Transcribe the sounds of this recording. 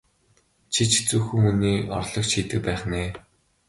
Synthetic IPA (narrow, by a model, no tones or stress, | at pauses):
t͡ɕʰit͡ɕt͡suxŭŋuniːɔ̰rɮɞ̆kt͡ɕʰiːt̪ɘ̆k̚pæːχneː